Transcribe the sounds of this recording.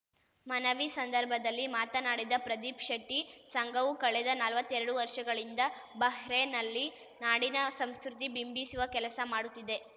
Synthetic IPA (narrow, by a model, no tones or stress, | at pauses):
mɐnɐʋisɐnd̪ɐɾbʱɐd̪ɐlːimaːt̪ɐnaːɽid̪ɐpɾɐd̪ipʂɐʈːisɐŋɡɐʋukɐɭɛd̪ɐnɐlʋɐt̪ːɛɾɐɽuʋɐɾʂɐɡɐɭind̪ɐbɐɦɾenɐlːi | naːɽinɐsɐmskɾut̪̬ibimbisuʋɐkɛlɐsɐmaːɽut̪ːid̪e̞